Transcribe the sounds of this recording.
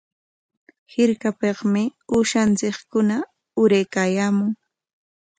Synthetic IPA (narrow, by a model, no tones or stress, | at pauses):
hɪɾkapeχmɪʊʃant͡sɪkkʊna | ʊɾajkaːjaːmʊŋ